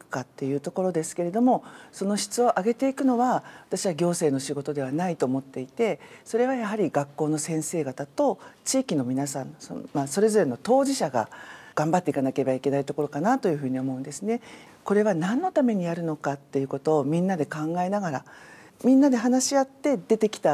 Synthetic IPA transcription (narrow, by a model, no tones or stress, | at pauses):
kɯ̟̥kat̪ːe̞jɯ̟ːt̪o̞ko̞ɾo̞d̪e̞sɨ̥ke̞ɾe̞d̪o̞mo̞so̞no̞ɕi̥t͡sɨo̞ʔaɡe̞t̪e̞ikɯ̟no̞βaβat̪aɕiβaɡʲo̞ːse̞ːno̞ɕiɡo̞t̪o̞d̪e̞β̞anait̪o̞ːmo̞t̪ːe̞it̪e̞so̞ɾe̞βajaɦaɾʲiɡakːo̞ːno̞sẽ̞ɰ̃se̞ːɡat̪at̪ot͡ɕiːkʲino̞mʲinasãnso̰maso̞ɾe̞zo̞ɾe̞no̞t̪o̞ːʑiɕaɡa̰ɡ̥ãmbat̪ːeikanake̞ɾebaikʲe̞nait̪o̞ko̞ɾo̞kanat̪o̞jɯ̟ɸɯ̟ːɲ̟io̞mo̞ɯ̟̃nd̪e̞sɨne̞ | ko̞ɾe̞βanãnːo̞t̪ame̞ɲ̟ijaɾɯ̟no̞kat̪ːe̞jɯ̟ko̞t̪o̞ːmʲĩnːad̪e̞kãŋɡae̞naɡaɾa̰ | mʲĩnːad̪e̞ɦanaɕiat̪ːe̞d̪e̞t̪e̞kʲi̥t̪a